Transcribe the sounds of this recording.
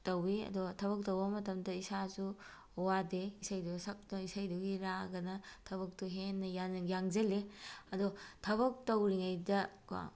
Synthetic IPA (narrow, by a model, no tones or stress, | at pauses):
tɐwiɐ̰dotʰɐβɐk̚tɐwbɐmɐtɐmdɐisazu | wadeisajdusɐk̚tɐisajduɡiɾaɡɐnɐtʰɐβɐk̚toɦenːɐjanjaŋzɐleɐdotʰɐβɐk̚tɐwɾiŋajdɐ̰